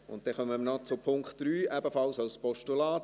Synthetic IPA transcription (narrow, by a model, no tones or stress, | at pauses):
ʊ̰nt̚d̥ɛχœməmənɔt͡sʊpʰʊŋkχtd̥ɾyːæbəfɑlsawspɔʃtulɑːt